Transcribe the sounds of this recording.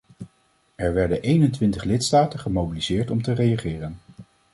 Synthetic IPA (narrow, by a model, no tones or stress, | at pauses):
ɛɹʋɛɹdənʔejnəntʋɪntəχlɪtstaːtənχəmowbilizɪːɹtɔmtərejaχɪːrən